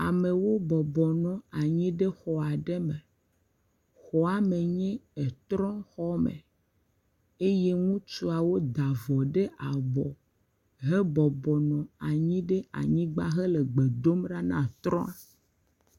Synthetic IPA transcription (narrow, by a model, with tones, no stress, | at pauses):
a˨me˨wo˦bɔ˨bɔ˨nɔ̃˨a˨ɲĩ˦ɖe˦xɔ˨a˨ɖe˦me˨ | xɔ˨a˨me˨ɲɛ̃˦e˨t̪ɾɔ̃˦xɔ˦mḛ̃˨ | e˦je˦ŋũ˦t͡ʃu˦a˨wo˦d̪a˨vɔ˨ɖe˦ʔa˨bɔ˨ | ɦe˦bɔ˨bɔ˨nɔ̃˨a˨ɲĩ˦ɖe˦a̰˨ɲĩ˦ɡ͡ba˦ɦe˦le˨ɡ͡be˨d̪o˦mɖa˦nã̰˦t̪ɾɔ̰̃˦a˨